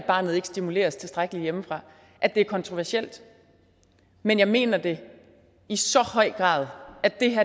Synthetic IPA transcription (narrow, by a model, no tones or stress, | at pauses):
b̥ɑ̈ːnð̩ˠe̝ɡ̥sd̥imule̝̰ːɐst͡sʰe̝sd̥ʁaɡ̥əlijeməfʁɑ̈ | ʔæd̥e̝æɐkʰɒ̽nt͡sʰʁoʋæɐsel̰d̥ | menjɑ̈ɪme̝̰ːnɐd̥e̝ | isɒ̽hɒ̽ɪ̰ɡ̥ʁɑ̰̈ːðˠæd̥e̝ɦæɐ